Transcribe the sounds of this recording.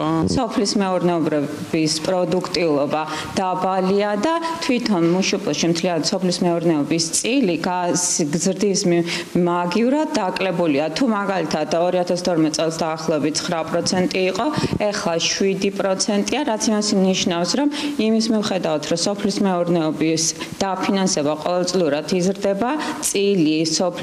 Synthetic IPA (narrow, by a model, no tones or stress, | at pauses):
sɔpʰlismɛɔɾnɛɔbɾɛ | bispʼɾɔd̪ukʰt̪ʼiulˠɔba | d̪̥abaliad̪at̪ʰwit̪ʰɔnmuʃupʰʼlˠʃimt̪ʰliaɾnɔt̪sɔpʰlismɛɔɾnɛɔbist̪sʼiliɡasɡzɾd̪izmimaɡivɾad̪̚ːakʼlɛbuliat̪ʰumaɡalit̪ʰad̪ɔɾiat̪ʰast̪ʰɔɾmɛt̪ʼsʼɛlˠsd̪aːχlˠɔɛbit̪t̪sʰχɾapʼɾɔt̪sʰɛnt̪ʼiːqʼɔɛχlˠaʃwid̪ipʼɾɔt̪sʰɛnt̪ʼiaɾat̪sʰimasmniʃnafsɾɔmimismiuχɛd̪avat̪ʰɾɔsɔpʰlismɛɔɾnɛɔbisd̪̥apʰinansɛbaqʼɔvɛlˠt̪sʼliuɾad̪ʰizɾd̪ɛbat̪sʼilisɔpʰ